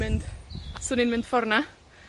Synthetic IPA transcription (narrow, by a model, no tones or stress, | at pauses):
ɪndsʊːninmɪ̃nd̥fɔrna